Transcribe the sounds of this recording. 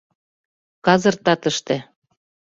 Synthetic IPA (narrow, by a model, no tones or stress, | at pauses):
kɑzɤ̆rt̪ɑt̪ə̆ʃt̪ĕ